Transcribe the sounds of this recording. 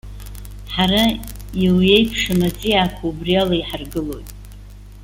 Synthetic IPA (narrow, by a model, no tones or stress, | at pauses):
ħaraiwje̞jpʰʂɨmat͡sʼijaːkʷʰaubrialaiħarɡɨlo̞̰jtʼ